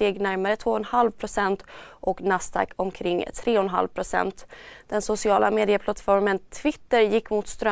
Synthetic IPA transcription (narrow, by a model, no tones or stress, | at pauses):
t̪eːɡnæɾmaɾət̪ʰvoːɔnhalvpʰɾʊsɛnt̪ʔɔknast̪ʰa̰kʰɔmkʰɾɪŋːt̪ʰɾeːɔnɦa̰lvpʰɾʊsɛ̰nt̪d̪̥ɛnsʊsɪɑːlameːd̪ɪəpʰlat̪fɔɾmənt̪ʰvɪt̪ːəɾjɪkːmʊt̪st̪ɾœ